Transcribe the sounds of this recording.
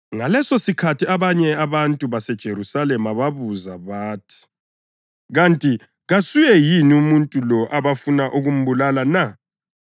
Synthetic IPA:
ŋalɛsɔsikʰatiaβaɲɛaβantʼuβasɛd̥ʒ̥ʱeɾusalɛmaβaβuzaβaːtʰi̥ | ɣantʼi | ɣasujɛjiniumuntʼulɔʔaβafunaʔuɣum̩bulalana

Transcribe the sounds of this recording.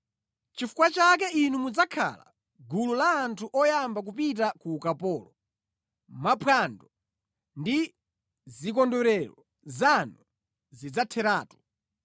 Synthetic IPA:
t͡ʃifu̥kwat͡ʃakɛinumud͡zakʰa̰la̰ | ɡululaːntʰuʔɔjambak̬up̬it̬akuːkapɔːlɔ | mapʰandɔ | ndi | zik̬ɔndɔɾɛɾɔ | zanu | zid͡zatʰɛɾaːtu̥

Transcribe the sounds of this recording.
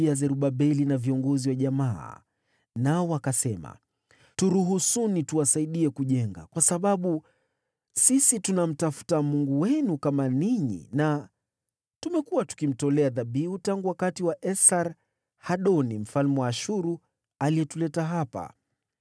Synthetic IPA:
iazɛɾuɓaɓɛlinaviɔŋɡɔziwaʄama̰ː | naɔwakasɛma̰ | tuɾuɦusunituwasaiɗiɛkuʄɛŋɡa̰kwasaɓaɓu | sisitunam̩tafu̥tamuŋɡuwɛnukamaniɲḭna | tumɛkuwatu̥kim̩tɔlɛaðaɓiutaŋɡuwakatiwaʔɛsaɾ | haɗɔnim̩falmwaʃuɾu | aliɛtulɛtaɦapa̰

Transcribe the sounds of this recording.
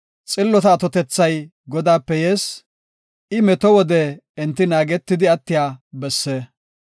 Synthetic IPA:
t͡sʼɪlːɔt̪ɐːt̪ɔt̪ɛt͡sːɐj | ɡɔd̪aːpːɛje̞ːs | ʔɪmɛt̪ɔwɔd̪ɛːnt̪ːɪnaːɡɛt̪ːɪd̪ɪɐt̪ːɪjaːbɛsːeː

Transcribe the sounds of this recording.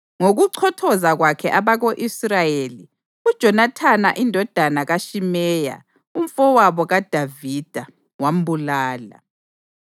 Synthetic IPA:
ŋoɣuǀʰɔtʰɔzaɣwakʰɛʔaβaɣoʔisrajeli | ud̥ʒ̥ʱɔnatʰana̰ʔindʱɔd̥ʱanaɣaʃimɛːja̰ | um̩fɔwaβɔɣad̥ʱavid̥ʱa | wam̩bulaːla̰

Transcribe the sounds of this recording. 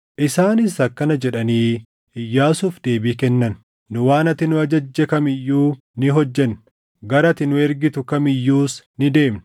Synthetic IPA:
ʔɪsaːnɪsɐkːɐnɐd͡ʒɛᶑɐniː | ɪjːaːsuːfd̪e̞ːbiːkɛnːɐnː | ʊwaːnɐt̪ɪnʊɐd͡ʒɐd͡ʒːɛkɐmɪjːuː | nɪɦɔd͡ʒːɛn | ɡɐɾɐt̪ɪnʊɛɾɡɪt̪ʊkɐmɪjːuːsnɪd̪e̞ːmn

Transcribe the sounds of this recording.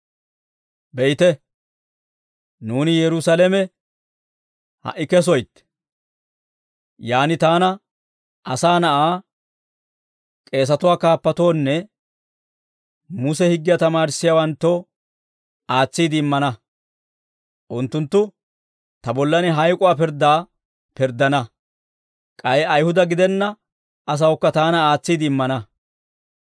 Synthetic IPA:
bɛjɪt̪ɛ | nuːnɪjɛɾʊsɐlɛmɛ | hɐ̰ʔːɪkɛs̬ɔjt̪ː | jaːnɪt̪aːnɐ | ʔɐsaːnɐʔaː | kʼe̞ːs̬ɐt̪ʊwaːkaːpːɐt̪o̞ːnːɛ | mʊsɛhɪɡːɪjɐt̪ɐmaːɾsːɪjɐwɐnt̪ːo | ʔaːt͡sːiːd̪ɪɪmːɐnɐ | ʔʊnt̪ːʊnt̪ːʊ | t̪ɐbɔlːɐnɪɦɐjkʼʊwaːpɪɾd̪aː | pɪɾd̪ɐnɐ | kʼɐjɛɐjhʊd̪ɐɡɪd̪ɛnːɐ | ɐs̬ɐwkːɐt̪aːnɐaːt͡sːiːd̪ɪɪmːɐnɐ

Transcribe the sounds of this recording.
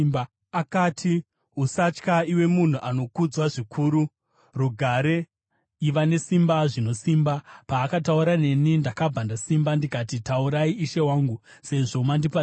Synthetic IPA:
akaːtʰi | ɦusat͡ʃkaiwe̞mun̤uʔano̞kud͡zwaʐikʰuːɾu | ruɡʱaɾe̞ | iʋane̞simbaʐino̞simbapaːkatauɾane̞nindakabʱandasimbandikatitauɾaiʔiʃe̞waːŋɡu | se̞ʐo̞mandipa

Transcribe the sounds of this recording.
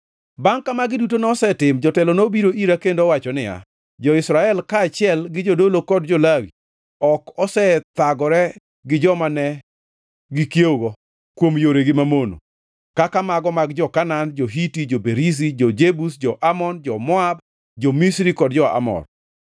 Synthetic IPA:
baŋkamaɡɪdutonɛɔsɛtɪmd͡ʒɔtɛlɔnobiɾoʔiɾakendoɔwat͡ʃɔnɪja̰ | d͡ʒɔɪsɾaɛlkaːt͡ʃɪɛlɡɪd͡ʒodolokɔdd͡ʒɔlawḭ | ɔkɔsɛt̪aɡɔɾɛ | ɡɪd͡ʒɔmanɛ | ɡɪkjeɡɔ | kwomjoɾeɡɪmamono̰ | kakamaɡɔmaɡd͡ʒɔkanand͡ʒoɦitid͡ʒobeɾis̬id͡ʒɔd͡ʒebusd͡ʒɔʔamɔnd͡ʒɔmɔab | d͡ʒɔmisɾikɔdd͡ʒɔa̰mɔ̰r

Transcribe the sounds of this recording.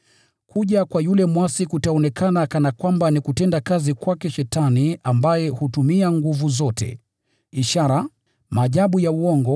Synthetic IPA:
kuʄakwajulɛmwasikutaɔnɛkʰanakanakwambanikutɛndakazikwakɛʃɛtaniambajɛhutumiaŋɡuvuzɔtɛ̰ | iʃaɾa | maːʄaɓujauɔŋɡɔ

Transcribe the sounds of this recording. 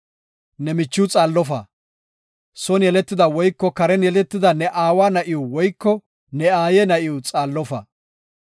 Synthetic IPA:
nɛmɪt͡ʃːɪʊt͡sʼaːlːɔfɐ̰ | sɔnjɛlɛt̪ːɪd̪ɐwɔjkːɔkɐɾɛnjɛlɛt̪ːɪd̪ɐnɛʔaːwaːnɐʔɪʊwɔjkːɔ | nɛaːjɛnɐʔɪʊt͡sʼaːlːɔfɐ̰

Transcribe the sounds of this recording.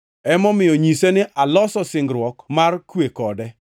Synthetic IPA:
ɛmɔmɪjɔɲisenɪʔalɔsɔsɪŋɡɾwɔkmarkwekɔdɛ

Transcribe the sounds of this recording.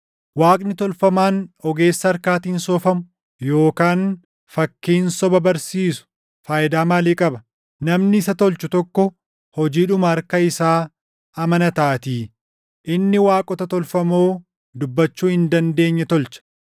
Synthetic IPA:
waːkʼnɪt̪ɔlfɐmaːnɔɡe̞ːsːɐːɾkaːt̪iːnsɔːfɐmʊ | jo̞ːkaːn | fɐkːiːnsɔbɐbɐɾsiːsʊ̥ | faːjɪd̪aːmaːliːkʼɐbɐ | nɐmnɪɪsɐt̪ɔlt͡ʃʊt̪ɔkːɔ | hɔd͡ʒiːᶑʊmɐɐɾkɐɪsaː | ɐmɐnɐt̪aːt̪iː | ʔɪnːɪwaːkʼɔt̪ɐt̪ɔlfɐmoː | d̪ʊbːɐt͡ʃːuːhɪnd̪ɐnd̪e̞ːɲːɛt̪ɔlt͡ʃɐ̥

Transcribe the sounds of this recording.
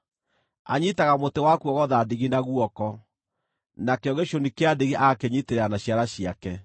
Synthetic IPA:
a̰ɲitaɣamotewakuɔɣɔðadeɣinaɣwɔkɔ | nakeɔɣɡeɕonikeadeɣiʔakeɲiteɾeanaɕjaɾaɕiakɛ

